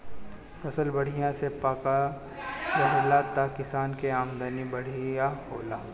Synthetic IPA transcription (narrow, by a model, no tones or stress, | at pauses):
fɐsəlbɐɽ̤ijãsepaːka | bɐɦlat̪akɪsaːnkeaːmd̪anibɐɽ̤ijahoːlaː